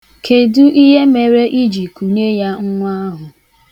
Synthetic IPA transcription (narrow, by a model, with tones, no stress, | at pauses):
kʰe˨du˦ʔi˦ɦe˦me˨ɾe˦ʔi˦d͡ʒi˨ku˨ɲe˦ja˦ŋ̩˦ŋʷ˦a˦ɦʊ˨